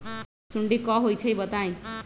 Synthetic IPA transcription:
suɳɖikʌɦojt͡sʰʌjbʌt̪aj̃

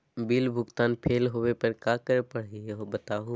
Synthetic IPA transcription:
biːlbʱʊɡt̪aːnpʰeːlɦoːʋepɐɾkaːkəɾpɐɽ̤ieɦobɐt̪aːɦu

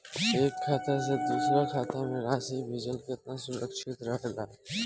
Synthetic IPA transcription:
eːkʰːaːt̪ʰased̪uːsɾakʰaːt̪ʰameɾaːsebʱɪd͡ʒəlkeɪt̪nasʊɾəkʃɪt̪ɾəɦlaː

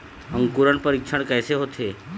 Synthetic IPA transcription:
ə̃ŋkuɾəɳpəɾikʃʰəɽ̃kajseɦot̪ʰe

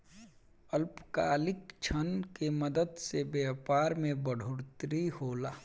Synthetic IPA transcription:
əlpkaːlɪkt͡ʃʰənkeməd̪əd̪sebɛːpaːɾmẽbəɽʱʊɽt̪ɾihoːlaː

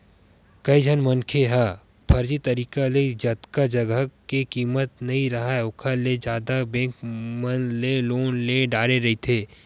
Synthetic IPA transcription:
kɐid͡ʒʱənmɐnkʰeɦa | pʰɐɾd͡ʒit̪ɐɾiːkaled͡ʒɐt̪kad͡ʒɐɡəkekiːmət̪nɐɦĩɾɐɦaɛʊkʰaled͡ʒjaːd̪abẽːkmənleloːnleɖaːɾeɾɐɦit̪ʰeː

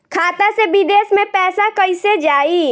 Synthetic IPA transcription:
kʰaːt̪asebid̪eːsmẽpɛːsakəised͡ʒaːi

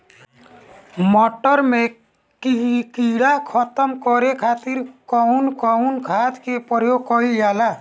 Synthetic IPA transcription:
mɔʈəɾmẽ | kikiɽakʰɔt̪əmkɔɾekʰat̪iɾkɔunkɔunkʰaːt̪kepɔɾjokɔijaːla

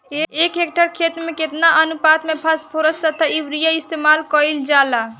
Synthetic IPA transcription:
eekek̚ʈəɾkʰet̪meket̪naʔənupat̪mepʰaspʰoɾəst̪ət̪ʰaibɾijaist̪emalkəjld͡ʒala

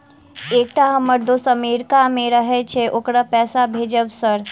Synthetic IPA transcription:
eːk̚ʈaɦəməɾd̪osəmeɾkamẽɾəɦet͡ʃʰeʔokɾapɛːsabʱed͡ʒəbsəɾ

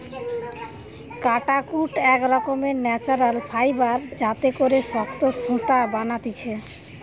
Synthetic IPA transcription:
kaʈakuʈɛkɾɔkomenɛt͡ɕaɾalfʰajbaɾd͡ʑat̪ekoɾeʃɔkt̪ot͡ɕʰũt̪abanat̪it͡ɕʰe

